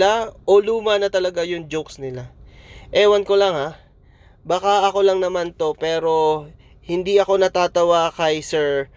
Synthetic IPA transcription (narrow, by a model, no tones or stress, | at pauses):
aʔo̞luːmɐnɐt̪ɐlɐɡajʊŋd͡ʒowksnɪlaʔɛːwɐnko̞lɐŋha | baːkaʔɐko̞lɐŋnɐmant̪o̞pɛːɾo̞ | hɪnd̪iʔɐko̞nɐt̪aːt̪ɐwakɐjsɛɹ